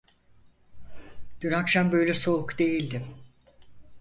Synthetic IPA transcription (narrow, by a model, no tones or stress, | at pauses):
d̪̥ynakʃambø̞jlʲɛso̞ukd̪e̞jilʲd̪ɪ